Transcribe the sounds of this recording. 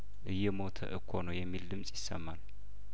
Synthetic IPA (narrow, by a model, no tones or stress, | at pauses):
ʔɨjːɛmo̞t̪ʰə̰ʔɨkʰːonəwjɛmːild̪ɨmsʼjɪsːəmːal